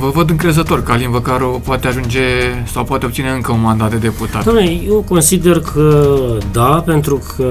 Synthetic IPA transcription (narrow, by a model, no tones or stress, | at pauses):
vəvəd̪ɨŋkɾe̞zət̪o̞rʲkəalinvəkaɾopoat̪eaʒund͡ʒe̞sawpoat̪eob̚t̪sine̞ɨŋkəunmand̪at̪̚d̪e̞d̪e̞put̪at̪d̪amnlejewko̞nsid̪e̞rkʰəd̪ape̞nt̪ɾukʰə